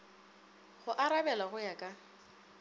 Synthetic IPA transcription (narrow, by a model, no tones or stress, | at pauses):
ɣʊʔaɾabɛlaɣʊjakʼa